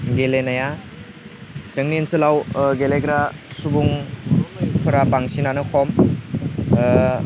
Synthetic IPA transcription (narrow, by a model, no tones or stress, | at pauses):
ɡelenaja | sɯŋniensɯlawɡeleɡɾasubuŋ | pʰuɾapaŋsinanɯkʰɔm